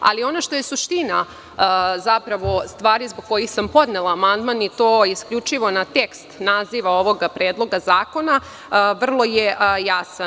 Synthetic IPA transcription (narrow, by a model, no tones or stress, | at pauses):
a̰lio̞naʃt̪o̞je̞suʃt̪ina | zapɾaʋo̞st̪ʋaːɾizboɡ̚ko̞jixsampo̞d̪nelˠaːmand̪manit̪o̞ːiskʎut͡ʃiʋo̞nat̪ekst̪naziʋao̞ʋo̞ɡpɾeːd̪lˠo̞ɡazaːko̞na | ʋr̩lˠo̞jejasa